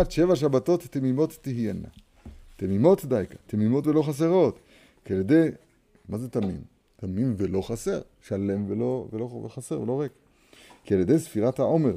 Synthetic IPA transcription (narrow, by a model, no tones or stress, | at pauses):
at̪ʃe̞vaʃ̬abat̪o̞t̪ːemimo̞t̪ːiɦjana̰ | t̪emimo̞t̪dajkḁt̪emimo̞t̪velo̞χas̬eʁo̞t̪ | kialjed̪e̞j | mazet̪amḭn | t̪aminvelo̞χase̞̰ʁ | ʃale̞mveloveloveχase̞ʁvelo̞ʁek | kialjede̞jsfiʁat̪haʔo̞meʁ